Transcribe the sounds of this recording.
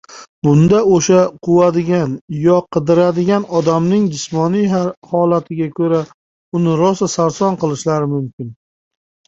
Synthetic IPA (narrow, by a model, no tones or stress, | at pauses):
bʊnd̪aoʃaqʰʊwad̪ɪɡʲanjɒqʰɨd̪ɪɾad̪ɪɡʲanɒd̪amnɪŋd͡ʒɪsmɒnijaɾhɒlat̪ʰɪɡʲakʰɵɾa | ʊnɪɾɒsasaɾsɒnqɨlˠɪʃlaɾɪmʊmkʲɪn